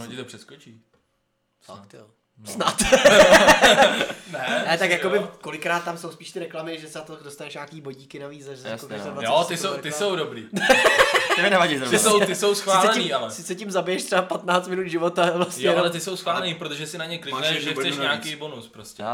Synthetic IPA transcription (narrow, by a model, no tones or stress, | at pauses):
ɦoɪt̪opr̥ɛskot͡ʃiː | at̪o | snat̪ | nɛnɛt̪akjakobɪko̞lɪkɾaːt̪ːamsowspiːʃt̪ɪɾɛklamɪʒɛsɛat̪odost̪anɛʃɲaːkiːboɟiːkɪnaviːzaʒɛskok̪asɛlajot̪ɪsowt̪ɪsowdobɾḭː | t̪ɪmɪnɛvaɟiɪsowt̪ɪsowsxvsaɪːlsɛɛnimːalɛsɪt͡sɛcɪmzabɪjɛʃt̪r̥ɛbapat̪naːt͡st̪mɪnud̪ʒɪvot̪avlasjɲɛalɛt̪ɪso̞wsxvaːlɛniːpɾot̪oʒɛsɪnaɲɛklɪɡnɛʒɛt͡sɛʃɲaːkijbonuspɾoscɛ